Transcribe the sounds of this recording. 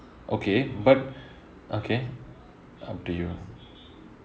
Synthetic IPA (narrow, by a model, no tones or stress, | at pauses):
ʔokebʌʈ | okʰe | a̰pʈuju